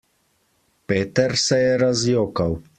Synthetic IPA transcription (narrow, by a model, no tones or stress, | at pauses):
peːt̪ɛɾsɛjɛɾazjoːkaw